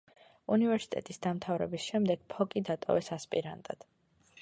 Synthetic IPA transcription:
univɛɾsi̥t̪ʼɛ̰t̪ʼisd̪amt̪ʰavɾɛ̰bisʃɛmd̪ɛɡ̥pʰɔkʼid̪at̪ʼɔ̰vɛsaspʼiɾa̰nt̪ʼad̪̥

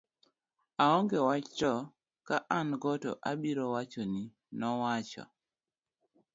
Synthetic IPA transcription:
aɔŋɡɛwat͡ʃtɔ | kaʔanɡɔto̰ʔabiɾowat͡ʃoni | nɔwat͡ʃɔ̰

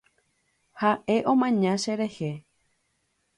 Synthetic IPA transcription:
haʔe̞ʔõ̞mãɲãʃe̞ɾe̞he̞

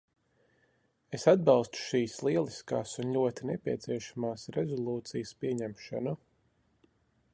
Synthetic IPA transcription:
esad̪̚bɑlˠst̪u̥ʃiːslˠiɛlˠiska̰ːsunʎʲuɔt̪inɛpʲiɛt̪siɛʃḁmaːsɾɛzɔlˠuːt̪sijəspiɛɲɛmʃanu

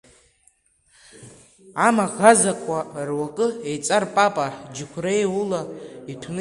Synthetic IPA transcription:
amaɣazakʷʼarwakʼɨejt͡sʼarpʼapʼaħd͡ʒɪkʷʰrejwulaitʷʰn

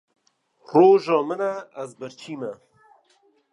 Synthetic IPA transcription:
roːʒɑːmɨnɛːzbɨɾt͡ʃʰiːmɛ

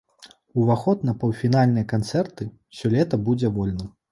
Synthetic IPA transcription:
uvaxɔt̪̚nɐpɐwfʲinalʲnɨjɐkant̪sɛrt̪ɨ | sʲɔlʲɛt̪ɐbud͡zʲɛvɔlʲnɐ

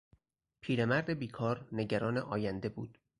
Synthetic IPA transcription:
pʰiːɾemæɾd̪e̞biːkʰɒːɾneɟæɾɒːneʔɒːjænd̪e̞bṵːd̪̥

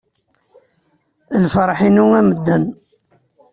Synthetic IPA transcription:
əlfəɾˤħinuæməd̪ːən

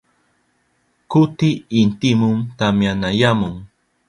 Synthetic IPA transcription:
kʊt̪iːnt̪imʊŋt̪amjanajamʊŋ

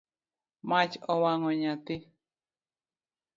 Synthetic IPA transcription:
mãt͡ʃowaŋõɲãt̪i

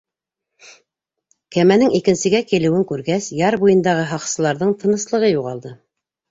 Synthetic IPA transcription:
kæmænɘŋikɘ̆nsɘ̆ɡækilɘ̆wɘŋkʉɾɡæsjɑɾbujɤ̆nd̪ɑʁɤɦɑqsɤ̆lˠɑɾðɤɴt̪ʰɤ̆nɤ̆slˠɤ̆ʁɤjuʁɑlˠd̪ɤ

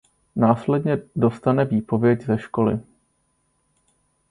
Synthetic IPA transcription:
naːslɛdɲɛdo̞st̪anɛviːpo̞vjɛczɛʃko̞lɪ̰

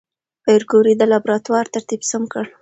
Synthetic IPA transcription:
peɾɡoɾid̪əlɑbɾɑt̪wɑɾt̪aɾt̪ibsamkəɽ

